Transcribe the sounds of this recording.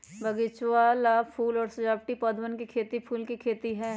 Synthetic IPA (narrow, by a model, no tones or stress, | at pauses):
bʱɐɡɪt͡ʃwalapʰuːlɔːɾsɐd͡ʒaːpʈipɔːd̪ʱʋənkikʰeːt̪ipʰuːlkikʰeːt̪iɦɛ̃ː